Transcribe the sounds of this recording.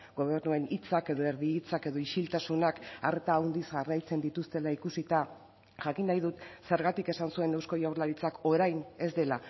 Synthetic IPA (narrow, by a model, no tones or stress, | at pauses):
ɡo̞β̞e̞ɾnue̞nit͡sake̞ðo̞e̞ɾðiːt͡sake̞ðo̞iʃilt̪asunaka̰ɾt̪aːwnd̪izɣarajt͡se̞nd̪it̪ust̪e̞laikusit̪a | ʝakinːajðut̪se̞ɾɣat̪ike̞sansuenewsko̞jawɾlaɾit͡sako̞ɾajne̞zd̪e̞la